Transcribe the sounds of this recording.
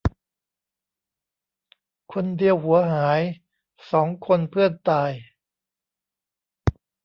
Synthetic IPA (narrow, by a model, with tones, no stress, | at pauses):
kʰo˧ndi˧əwhu˩˦ɐɦaː˩˦j | sɔː˩˦ŋkʰo˧npʰɯ˥˩ənt̪aː˧j